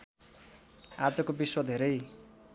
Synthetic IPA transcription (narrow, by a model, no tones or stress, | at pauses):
ad͡zʌkobiswʌd̪ʱeɾʌj